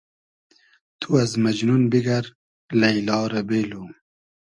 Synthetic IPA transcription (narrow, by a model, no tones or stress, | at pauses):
t̪ʰuɐzmɐd͡ʒnunbiɡɐɾ | lɐjlɑːɾɐbeːlu